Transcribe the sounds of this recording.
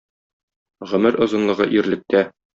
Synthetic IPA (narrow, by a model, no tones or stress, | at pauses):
ʁɵ̆mɘɾʔŏzɤ̆nlˠɤ̆ʁɤʔiɾlɘ̆k̚t̪æ